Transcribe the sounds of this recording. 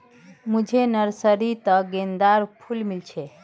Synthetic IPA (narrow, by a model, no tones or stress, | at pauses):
mud͡ʒʱenəɾsəɾit̪əɡend̪aɾpʰulmilt͡ʃʰɛ